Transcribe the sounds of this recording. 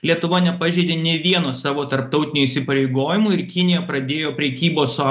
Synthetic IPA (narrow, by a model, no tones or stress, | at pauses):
lʲiɛt̪ʊʋɐnʲɛpɑʒʲeːd̪ʲeːnʲɛːʋʲiɛnoːsɑːʋoːt̪ɐɾp̚t̪ɒʊt̪ʲɪnʲʊisʲɪpɐɾʲɛɪɡoːjɪmuːɪɾkʲɪnʲɪjɛpɾɐd̪ʲeːjoːpʲɾʲɛkʲiːboːsɑː